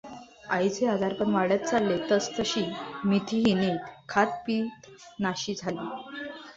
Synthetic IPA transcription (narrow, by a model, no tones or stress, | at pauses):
ajt͡sead̪ʱaɾpəɳʋaɽjat̪̚t͡salːet̪əst̪əɕiːmit̪ʰiːɦiniːt̪kʰat̪̚piːt̪ | naɕiːd͡zʱaliː